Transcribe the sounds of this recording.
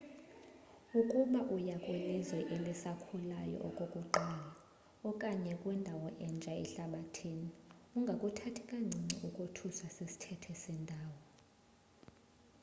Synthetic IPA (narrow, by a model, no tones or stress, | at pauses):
ukʼuɓaʔujakʼwilizwɛʔelisakʰulajɔ̰ʔokʼokʼuǃaːla | ɔkʼaɲɛkʼwɛndʱawɔʔɛnd͡ʒʱaɛ̰ɬaɓatʰiniuŋɡʱakʼutʰatʰikʼaŋ͡ǀʱiŋ͡ǀḭʔukʼutʰuswasisi̥tʰɛtʰɛsɛndʱaːwɔ